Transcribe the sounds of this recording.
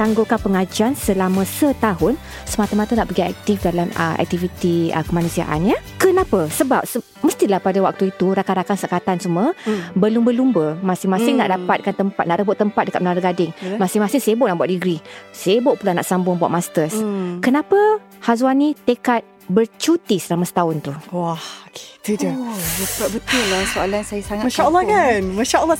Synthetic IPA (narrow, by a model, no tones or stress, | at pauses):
t̪aŋɡʊlkanpəŋad͡ʒansəlamə̃sət̪aɦʊn | səmat̪əmat̪ənaʔpərɡiɛ̰k̚t̪ifdalamə̰ʔɛ̰k̚t̪ifit̪iə̰kəmanũsia̰ʔa̰njə | kənapəsəbap̚sə | məst̪ilahpadawak̚t̪uit̪uɾakanɾakansakat̪ansuməbəlumbəlumbəmasɪŋmasɪŋna̰ʔdapat̪̚kant̪əmpat̪̚naʔɾəbʊʔt̪əmpat̪̚dəkat̪̚mənaɾəɡadɪŋmasɪŋmasɪŋsebʊʔnaʔbuat̪̚diɡɾisebʊʔpulana̰ʔsambʊŋbua̰ʔ̚mast̪əskənapə | hazwanĩt̪ekat̪̚ | bərt͡ʃut̪isɾamasə̥t̪aʊnt̪uwahoke̥t̪udəapat̪̚bət̪ʊlasoalansajasaŋamaʃaəlːɔkanmaʃaʔəlːɔ